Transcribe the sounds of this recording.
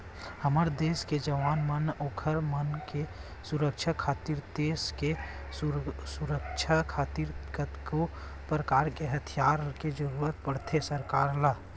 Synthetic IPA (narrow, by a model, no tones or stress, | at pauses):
həməɾd̪eːsked͡ʒəʋaːnmənoːkʰəɾmənke | suɾəkt͡ʃʰakʰaːt̪iɾd̪eːske | suɾəkt͡ʃʰakʰaːt̪iɾkət̪ko | pɾəkaːɾkeɦət̪ʰijaːɾked͡ʒəɾuːɾət̪̚pəɽ̤t̪ʰesəɾkaːɾlaː